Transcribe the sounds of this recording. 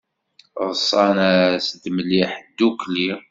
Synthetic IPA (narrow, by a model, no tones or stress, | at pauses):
ʁsˤːɑnæsəd̪məlːiħəd̪ːukli